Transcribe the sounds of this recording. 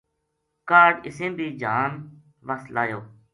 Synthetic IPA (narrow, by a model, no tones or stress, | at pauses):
kaːɾɪsẽːbʱiːd͡ʒʱaːn | ʋəslaːjoː